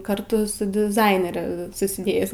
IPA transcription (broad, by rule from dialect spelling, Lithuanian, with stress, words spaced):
kɐrˈtʊ sʊ dʲɪˈzɐɪnʲɛrʲɛ sʊsʲɪˈdʲeːjɪs